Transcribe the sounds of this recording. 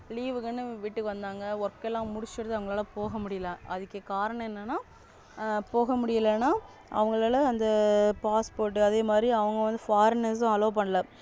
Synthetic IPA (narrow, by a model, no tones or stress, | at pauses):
liːʋɯkːɐnːɯʋiːʈːɯkːɯʋɐnd̪aːŋɡɐɔɾkːɛlːãːmʊɽɪt͡ʃːɯɾɐðɯɐʋɐŋɡɐɭaːlɐpoːɣɐmʊɽɪjɐlɛ̃ʔɐðɯkːɯkaːɾɐɳɐ̃ɛnːɐnːaː | poːɣɐmʊɽɪjɐlɐnːaː | ʔɐ̰ʋɐŋɡɐɭaːlɐɐnd̪ɐpaːspoːɾʈ̬ːɯɐðeːmaːd̪ɾiɐʋɐŋɡɐʋɐnd̪ɯfaːɾnesãɐloːpɐɳːɐlɐ